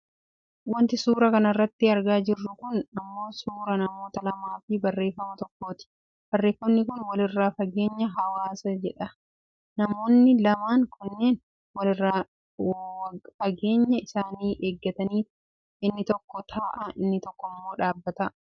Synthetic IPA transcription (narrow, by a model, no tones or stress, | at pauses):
wɐnt̪ɪsuːɾɐkɐnɐrːɐt̪ːɪɐɾɡaːd͡ʒɪrːʊkʊnɐmːo̞ːsuːɾɐnɐmo̞ːt̪ɐlɐmaːfɪbɐrːeːfːɐmɐt̪ɔkːo̞ːt̪ɪ̥ | b̥ɐrːe̞ːfːɐmnɪkʊnwɐlɪrːaːfɐɡe̞ːɲːɐɦɐwaːsɐd͡ʒɛᶑɐ | nɐmo̞ːnːɪlɐmaːŋkʊnːe̞ːn | wɐlɪrːa | fɐɡe̞ːɲːɐɪsaːniːʔeːɡːɐt̪ɐniːf | ɪnːɪt̪ɔkːɔt̪ʰaːʔɐʔɪnːɪt̪ɔkːɔmːo̞ːᶑaːbːɐt̪ɐ